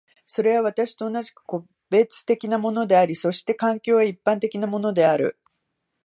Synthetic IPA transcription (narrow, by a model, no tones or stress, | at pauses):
so̞ɾe̞βaβat̪aɕi̥t̪o̞ːnaʑi̥kɯ̥ko̞ | be̞t͡sɨ̥t̪e̞kʲinamo̞no̞d̪e̞aɾʲiso̞ɕi̥t̪e̞kãŋkʲo̞ːβaipːãnt̪e̞kʲinamo̞no̞d̪e̞aɾɯ̟̰